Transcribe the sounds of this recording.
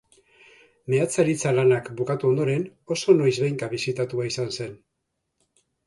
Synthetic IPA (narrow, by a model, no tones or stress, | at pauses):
me̞at͡saɾit͡salanakbukat̪uo̞nd̪o̞ɾe̞no̞so̞no̞jzβejŋkaβisit̪at̪uaisanse̞n